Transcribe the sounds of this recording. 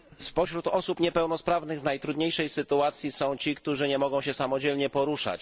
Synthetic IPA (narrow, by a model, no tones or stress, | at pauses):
spɔɕɾut̪ɔsupɲɛpɛwnɔspɾavnɘɣvnajt̪ɾud̪ɲejʂɛjsɘt̪uat̪sʲjisɔ̃w̃t͡ɕikt̪uʐɘɲɛmɔɡɔ̃w̃ɕɛsamɔd͡ʑɛlɲɛpɔɾuʂa̰t͡ɕ